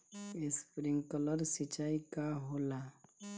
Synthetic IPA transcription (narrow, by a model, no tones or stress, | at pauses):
ɪspɾɪ̃ŋɡkələɾsit͡ʃaːikaɦoːla